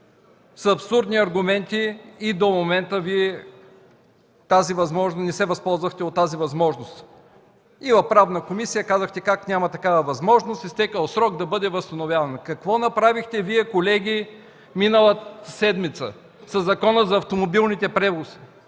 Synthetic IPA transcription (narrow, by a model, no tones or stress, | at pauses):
sɐpsuɾd̪niɐɾɡʊmɛnt̪iːd̪omomɛnt̪əviɛ | t̪azivɐzmɔʒnosnɛsɛvɐspɔlˠzvəxt̪ɛot̪ːazivɐzmɔʒnost̪ | ivɐfpɾavnəkomisijəkazəxt̪ɛkaknʲamɐt̪ɐkavəvɐzmɔʒnost̪ist̪ɛkəlˠsɾɔɡd̪ɐbɤd̪ɛvɐst̪ɐnovjavɐnkɐkvɔnɐpɾavixt̪ɛviɛkolɛɡʲi | minəlˠət̪əsɛd̪mit̪sə̰ | sɐzːɐkɔnəzɐːft̪omobilˠnit̪ɛpɾɛvosi̥